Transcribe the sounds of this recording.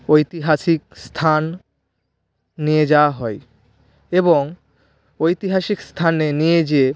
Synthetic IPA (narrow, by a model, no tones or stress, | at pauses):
ojt̪iɦaʃik̚st̪ʰan | ied͡ʑaoaɦɔe | eboŋ | ojt̪iɦaʃikst̪ʰanenijed͡ʑee